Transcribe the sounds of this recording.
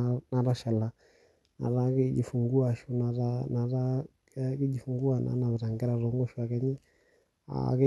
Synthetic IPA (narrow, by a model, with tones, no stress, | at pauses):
na˨ɾa˦ʃɛ˨la˨ | na̰˨ɾa˦kɪ˦d͡ʒi˨fu˨ŋɡu˦a˨ʃu˦na˨ɾa˦na˨ɾa˦ | ki˦d͡ʒi˨fu˨ŋɡu˦a˨na̰˨˦na˨βɛ˨ɾa˨ŋɡɛ˦ɾa˨ɾɔ˨˦ŋɡɔ˦ʃu˦a˨kɛ˨ɲi˦ | a̰˨ke˦